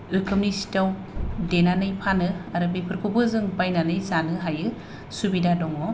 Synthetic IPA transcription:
ɯkʰɯmnisi̥taw | denanɯjpʰanɯaɾɯbipʰɯɾkʰubɯzɯŋbajnanɯjzanɯɦajɯ | subidadɔŋɔ

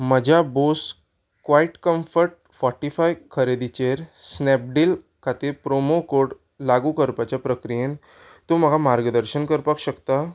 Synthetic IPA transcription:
məd͡ʑʱabos | kʋaiʈkəmfəɾʈ̚ | fɔʈifajkʰəɾed̪it͡ɕeɾsnɛp̚ɖil | kʰat̪iːɾpɾomokoɽ | laɡuːkəɾpat͡ɕjapɾəkɾijen | t̪oməɡʱamaɾɡd̪əɾɕənkəɾpakɕəkt̪a

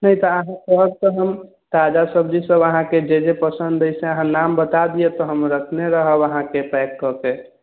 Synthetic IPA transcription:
nəjt̪ɔəɦãkəɦb̚t̪ɔɦəm | t̪ad͡ʒasəb̚d͡ʒisəbəɦãked͡ʒed͡ʒepəsənd̪əsẽəɦãnambət̪ad̪ijet̪ɔɦəmɾəkʰneɾəɦəbəɦãkepɛkːɔke

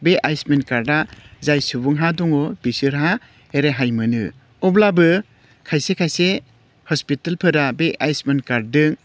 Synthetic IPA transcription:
beʔajsmenkaɾdazajsubuŋɦaduŋɔbisɯɾɦa | eɾeɦajmɯnɯ̰ | ɔblabɯ | kʰajsekʰajse | hɔspitalpʰɯɾabeʔajsmenkaɾdɯŋ

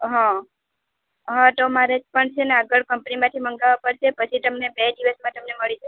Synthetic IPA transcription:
ɦã | ɦãt̪omaɾed͡ʒpəɳt͡ʃʰeneaɡəɭkəmpnimãt̪ʰiməŋɡaʋapəɽʃʰepət͡ʃʰit̪əmnebed̪iʋəsmãt̪əmneməɭit͡ʃʰe

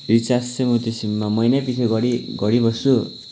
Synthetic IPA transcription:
bit͡sasemut̪isimːamʌjnapisʰeɡʌɾiɡʌɽibʌsu

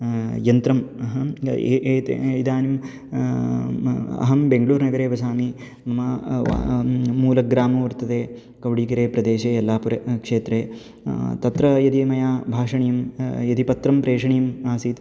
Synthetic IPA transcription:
jɐnt̪ɾɐmɐɦɐeʔːt̪ḛid̪aːnim | ɐ̰ɦɐmbeŋɡɐɭuːɾnɐɡɐɾeːʋɐsaːmi | nɐmɐ̰ | muːlɐɡɾaːmɐʋɐɾt̪ɐd̪eː | kɐʋɽiːkɐɾeːpɾɐd̪eːʃeːɐlːaːpuɾɐkʂeːt̪ɾeː | t̪ɐt̪ɾɐjɐd̪imɐjaːbʱaːʂɐɳijɐmjɐd̪ipɐt̪ɾɐmpɾeːʂɐɳijɐmaːsiːt̪

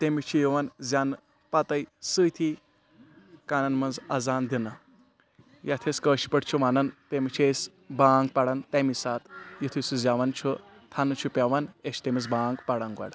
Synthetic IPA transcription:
t̪emit͡ʃʰijiʋɐnzʲan | pɐt̪ɐjsɨjt̪ʰi | kaːnɐnmɐnzɐ̰zaːnd̪inɨ | jat̪ʰeskəːʃi̥pɐʈt͡ʃʰuʋanɐnt̪emit͡ʃʰes | baːŋɡ̚pɐɽɐnt̪emisaːt̪jit̪ʰisuzʲaʋɐnt͡ʃʰu | t̪ʰanɨt͡ʃʰupʲaʋɐneʃʰt̪emizbaːŋɡpɐɽɐnɡɐ̰ɽ

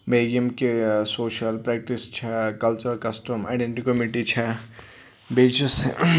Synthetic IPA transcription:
meːɡəmkesoːʃəlpɾɛːk̚ʈist͡ʃʰɛkɐlt͡ʃəɾkɐsʈəma̰ːɖeɳʈikːomiʈit͡ʃʰɛ | beːt͡ʃis

